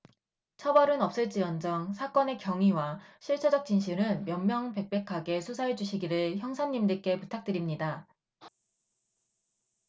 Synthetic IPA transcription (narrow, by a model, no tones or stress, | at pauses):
t͡ɕʰʌbʌɾɯnʌp̚s͈ɯɭt͡ɕ͈ijʌnd͡ʑʌŋsʰak͈ʌne̞kjʌŋɥiwaɕʰiɭt͡ɕʰʌd͡ʑʌk̚t͡ɕ͈inɕʰinɯnmjʌnmjʌŋpe̞k̚p͈e̞kʰaɡe̞sʰusʰaed͡ʑuɕʰiɡiɾɯɭçjʌŋsʰanɲːimdɯk͈e̞putʰak̚t͈ɯɾimɲida